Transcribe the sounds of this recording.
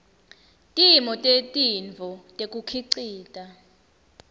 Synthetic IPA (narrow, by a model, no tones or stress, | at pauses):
tʼimɔtʼetʼiɱvʱɔtʼekʼukʰiǀiːtʼa